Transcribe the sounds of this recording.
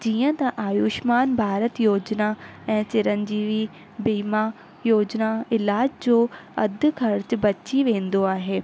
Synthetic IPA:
d͡ʑiːə̃t̪ɐʔaːjuːʃmaːnbʱaːɾət̪joːd͡ʒnaɛ̃ːt͡ʃɪɾənd͡ʑiːʋi | biːma | joːd͡ʒnaɪlaːd͡ʑd͡ʑoːɐd̪kʰɐɾt͡ɕbɐtːʃiʋẽːnd̪oaːɦeː

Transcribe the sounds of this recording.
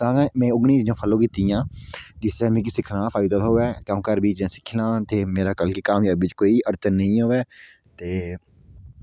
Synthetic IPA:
t̪ãːkɛ̃ːmɛ̃ːʊɡniːd͡ʒd͡ʒãːpʰəlõːkiːt̪ijãːd͡ʒɪsɛːmẽːkiːsɪkʰnãːpʰaːɪd̪ət̪ɦoːʋɛːkãːkəɾbiːt͡ʃẽːsɪ̥kʰːlãːt̪eːmeːɾaːkəlkiːkaːmjaːbʋɪt͡ʃkoːiːʔəɾt͡ʃənːəĩːɦoːʋeː | t̪eː

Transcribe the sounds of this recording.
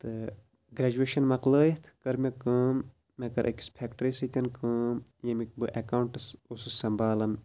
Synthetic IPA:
t̪ɨ | ɡɾeːd͡ʒueːʃɐnmɐqləːjit̪ʰkɐɾmʲekəːmː | ɐkɐɾʔɐ̰ki̥spʰekʈɐɾisɨt̪ʲɐnkəːmjɐmik̚bɨʔekawuɳʈɨsosɨsɐmbaːlɐn

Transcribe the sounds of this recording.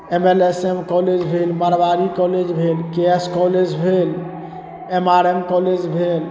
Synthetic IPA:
emelesemkɔled͡ʒbʱelməɾbaɾikɔled͡ʒbʱelkeeskɔled͡ʒbʱel | emaɾemkɔled͡ʒbʱel

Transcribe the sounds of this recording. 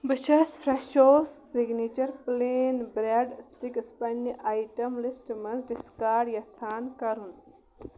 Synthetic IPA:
bɨt͡ʃʰɐsfʰɾeʃoːsːiɡnit͡ʃɐɾpleːnbɾeɖsʈikspɐnːiʔaːjʈɐmlisʈmɐzɖiskaːɾɖjɐt͡sʰaːnkɐɾun

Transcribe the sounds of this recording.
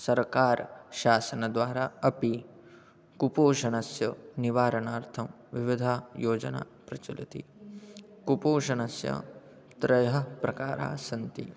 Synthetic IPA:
sɐɾkaːɾʃaːsɐnɐd̪ʋaːɾaːɐpi | kupoːʃɐnɐsjɐniʋaːɾɐnaːɾt̪ʰɐm | ʋiʋid̪ʱaːjoːd͡ʒɐ̰na̰ːpɾɐt͡ʃulit̪ḭ | kupoːʃɐnɐsjɐ̰ | t̪ɾɐjɐɦɐ̆pɾɐkaːɾa̰ːsɐnt̪ḭ

